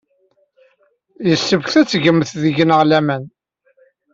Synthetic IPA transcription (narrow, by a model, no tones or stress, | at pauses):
jəsːəvçθæt͡sːʝəmːθðəʝənəʁlæmæn